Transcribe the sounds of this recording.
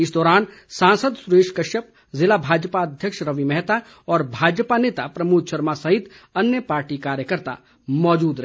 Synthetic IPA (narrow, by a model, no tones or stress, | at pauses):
ɪsd̪ɔːɾaːnsãːnsəd̪sʊɾeːʃkɐʃəp̚ | zɪlabʱaːd͡ʒpaɐd̪ʱjəkʃɾɐʋimɛɦt̪a | ɔːɾbʱaːd͡ʒpaneːt̪apɾɐmuːt̪ʃəɾmasɐɦɪt̪ | ɐnjəpaːɾʈikaːɾjəkəɾt̪a̰ | mɔːd͡ʒuːd̪ɾɐ